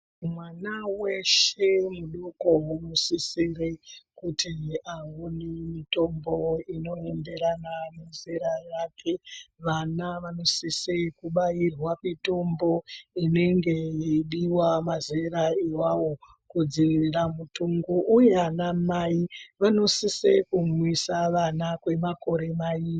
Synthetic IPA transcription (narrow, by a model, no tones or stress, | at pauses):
mwanawe̞ʃe̞muɗuko̞unosisirekutʰiawunemito̞mbo̞ino̞embe̞ɾananizeɾajakʰe̞ʋanaʋano̞sisekuɓairwakito̞mbo̞ine̞ŋɡe̞iɗiwamazeɾaiwawo̞ | kud͡ziʋiriramutuŋɡuʔuje̞anamaiʋano̞sisekumwisaʋanakwe̞mako̞ɾe̞maiː